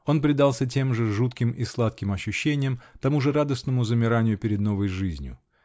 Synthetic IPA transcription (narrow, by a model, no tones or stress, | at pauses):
o̞npɾʲɪd̪alˠsʲət̬ʲe̞mʐɨʐut̪kʲɪmislˠat̪kʲɪmɐɕːʊɕːenʲɪjəmt̪ɐmuʐɨɾad̪əsnəmʊzəmʲɪɾanʲɪjʊpʲɪɾʲɪd̪no̞vəjʐɨzʲnʲjʊ̰